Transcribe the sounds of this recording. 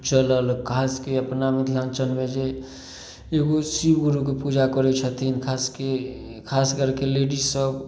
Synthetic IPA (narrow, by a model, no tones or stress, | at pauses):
t͡ʃələlkʰaskeəpnamit̪ʰlãŋt͡ʃənmed͡ʒe | eɡosibɡuɾukepud͡ʒakɔɾet͡ʃʰət̪ʰinkʰaskekʰaskəɾkeleɖisəb